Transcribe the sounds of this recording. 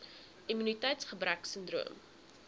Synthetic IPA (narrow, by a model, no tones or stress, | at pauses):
imynitɛjtsχəbɾæksəndrṵəm